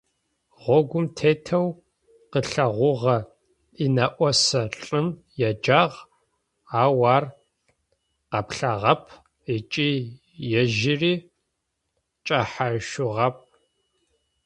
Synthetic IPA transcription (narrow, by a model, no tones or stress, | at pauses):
ʁʷɔɡʷʊmtʰeːtʰɐw | qəɬɐʁʷʊʁɐ | inɐʔʷɔsɐɬʼɨm | jɛd͡ʒaːʁ | aːwaːr | qɐpɬɐʁɐpʰ | it͡ʃʼiː | jɛʒɪriː | t͡ʃʼaħaʃʊʁɐp̚ʰ